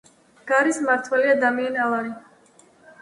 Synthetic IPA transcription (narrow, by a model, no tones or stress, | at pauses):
ɡ̥aɾismaɾt̪ʰwɛliad̪amianalˠaɾi